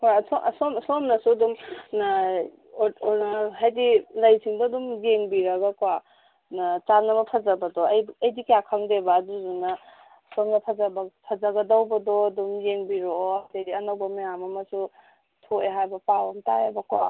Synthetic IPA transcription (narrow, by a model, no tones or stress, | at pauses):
kasɔʔsomsomnɐsudumna | ɦajdilajsʰiŋbɐdumjeŋbiɾɐɡakwa | nat͡ʃanɐbɐpʰɐzabɐdɔjɐjdikjakʰaŋdebaːduzunɐ | somnɐpʰazabɐpʰɐzaɡɐdawbɐdɔːdumjeŋbiɾoɐtediɐnawbɐmɐjamɐmɐsu | tʰoeɦajbɐpawantajebɐkwa̰